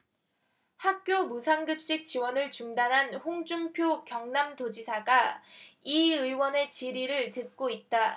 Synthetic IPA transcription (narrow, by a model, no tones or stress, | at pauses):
hak̚k͈jomusʰaŋɡɯp̚ɕ͈ik̚t͡ɕ͈iwʌnɯɭt͡ɕuŋdanɦanhoŋd͡ʑumpʰjokjʌŋnamdod͡ʑisʰaɡa | iɯiwʌne̞t͡ɕiɾiɾɯɭtɯk̚k͈oit̚t͈a